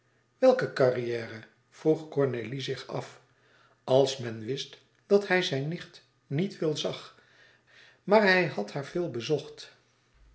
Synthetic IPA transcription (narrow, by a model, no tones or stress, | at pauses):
ʋɛlˠkəkɑrijɛːrə | v̥ruχkɔɹnelizɪχɑ̰f | ɑlˠsmɛnʋɪst | d̥ɑtɦɛjzɛjnːɪχt | nitʋɪlˠzɑχ | maːɹɦɛjhɑthaːɹv̥ɪːlˠbəzɔχt